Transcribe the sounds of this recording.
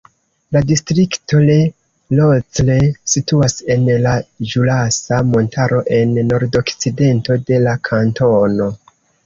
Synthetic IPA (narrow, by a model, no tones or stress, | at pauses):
ladistɾiktole | lot͡sle̞situase̞nlad͡ʒulasamo̞ntʰaɾo̞ʔe̞nːo̞ɾdo̞kt͡side̞nto̞de̞lakʰanto̞no̞